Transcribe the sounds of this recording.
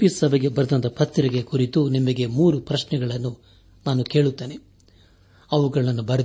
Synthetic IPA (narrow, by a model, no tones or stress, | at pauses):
isːɐbɐɡebɐɾɐd̪ɐnt̪ɐpɐt̪ːɾɐɡe̞kuɾit̪unimɐɡe̞muːɾupɾɐʃnɛɡɐɭɐnːu | naːnuke̞ːɭut̪ːeːne | ɐʋuɡɐɭɐnːubɐɾɐ